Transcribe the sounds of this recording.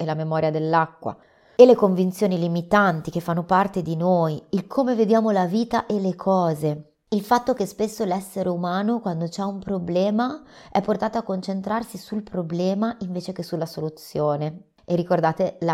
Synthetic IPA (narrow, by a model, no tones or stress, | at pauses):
elamemɔːɾjad̪elːakːwa̰ | elekoɱvint̪sjoːnilimit̪ant̪ik̟efːanːopart̪ed̪inoːjilkʰoːmeved̪jaːmolaviːt̪aʔelekʰɔːze | ilfat̪ːok̟espesːolɛsːeɾeumaːnokwand̪ot͡ʃɛumpɾoblɛːmaɛpːort̪aːt̪oakːont͡ʃent̪ɾarsisulpɾoblɛːmaʔiɱveːt͡ʃekesulːasolut̪sːjoːne | erikord̪aːt̪ela